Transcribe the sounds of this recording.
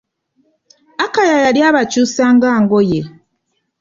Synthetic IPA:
akajajaɾjaβat͡ʃusaŋɡaːŋɡoje

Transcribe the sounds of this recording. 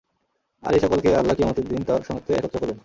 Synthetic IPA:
a̰liʃɔkolkealːakiamot̪eɾd̪int̪aɾʃɔŋot̪ʰːeɛkot̪ːɾokɔɾben

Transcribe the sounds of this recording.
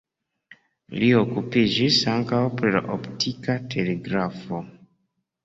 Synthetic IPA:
lio̞kupid͡ʒisaŋkawpɾila̰ʔoptʰikatʰe̞le̞ɡɾafo̞

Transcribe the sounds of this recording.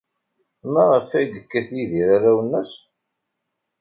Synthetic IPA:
mæʁəfæɡəkːæθiðiɾaɾæwənːæs

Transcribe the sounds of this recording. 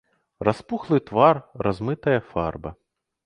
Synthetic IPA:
rʔaspuxlˠɨt̪varrazmɨt̪ɐjɐfarbɐ

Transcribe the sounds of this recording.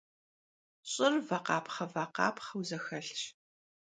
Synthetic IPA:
ɕʼɪrvɐqɑːpχɐvaqɑ̰ːpʰχɐwzɐxɐɬʃ

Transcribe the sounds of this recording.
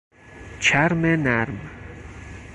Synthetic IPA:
t͡ʃʰæɾmenæɾm

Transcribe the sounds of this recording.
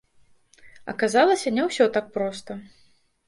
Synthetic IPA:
ɐ̰kazalˠɐsʲɐnʲɛwsʲɔt̪ak̚pɾɔst̪ɐ

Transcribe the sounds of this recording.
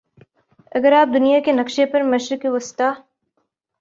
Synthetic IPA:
ɐɡəɾaːp̚d̪ʊnijakenɐkʃepɐɾmɐʃɾɪkeʋʊst̪aː

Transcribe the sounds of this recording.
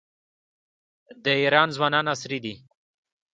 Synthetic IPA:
d̪əiɾɑnzwɑnɑnasɾid̪i

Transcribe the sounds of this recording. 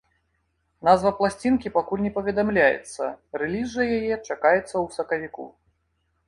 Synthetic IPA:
nazvɐplˠasʲt͡sʲinkʲipakulʲnʲɛpɐvʲɛd̪amlʲajɛ̰t̪sːɐ̰rɛlʲizɨjɐjajɛt͡ʂakajɛt̪sːɐwsɐkɐvʲikṵ

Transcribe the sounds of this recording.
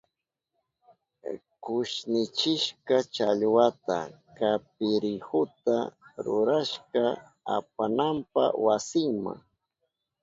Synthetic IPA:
kʊʃnɪt͡ʃɪʃkat͡ʃaʎwat̪a | kap̚ɪɾɪhʊt̪aɾʊɾaʃka | a̰p̚anampa̰wasɪŋma̰ŋ

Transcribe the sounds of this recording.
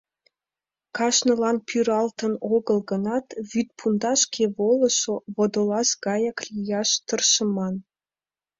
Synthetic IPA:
kɑʃnəlɑnpʰyɾɑlt̪ənoɣəlɣənɑt̪βyt̪̚pʰund̪ɑʃkʰeβoləʃoβod̪olɑʃɡɑjɑklʲijɑʃt̪ərʃəmɑn

